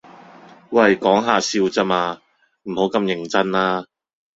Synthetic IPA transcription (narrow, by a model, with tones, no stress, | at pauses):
wɐ˨˧jkɔː˨˥ŋɦaː˨˧siː˧wt͡sɐ˥maː˧ | m̩˨˩ho˨˥wkɐ˧mjɪ˨˩ŋt͡sɐ˥nlaː˥